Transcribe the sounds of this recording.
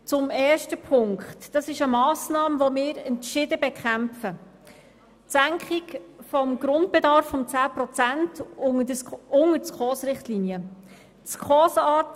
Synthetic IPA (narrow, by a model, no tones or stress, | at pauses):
t͡sʊmɛːʃtəpʰʊŋkχtd̥ɑsɪʃəmɑːsnɑːmvomɪːɾɛntʃɪdəbɛkχæmfə | tsæŋkχikfɔmɡ̥ɾʊnt̚b̥ɛdɑɾfːɔmt͡sæːprɔt͡sæntdʊŋət͡skχɔːsɾɪχtlinjə | t͡skʰχɔːsɑːt